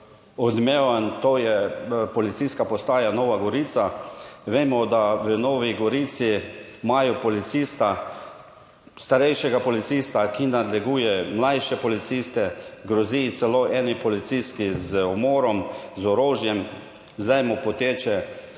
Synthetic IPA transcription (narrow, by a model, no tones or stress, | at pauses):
ɔd̪meʋant̪oːjɛpɔlit̪siskapɔst̪aːjanɔʋaɡɔɾit̪saʋeːmɔd̪aʋənɔːʋiɡɔɾiːt̪si | majɔpɔlit̪sist̪a | st̪aɾɛjʃɛɡapɔlit̪sist̪akinad̪lɛɡuːjɛmlajʃɛpɔlit̪sist̪ɛɡɾɔzit̪sɛloːʔɛnipɔlit̪siskizəɔmɔːɾɔmzɔɾoːʒjɛm | zd̪ɛjmɔpɔt̪eːt͡ʃɛ